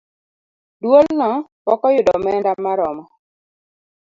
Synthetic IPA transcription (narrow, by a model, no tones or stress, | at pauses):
dwolnɔwɔkɔjʊdɔmɛndamːaɾɔmɔ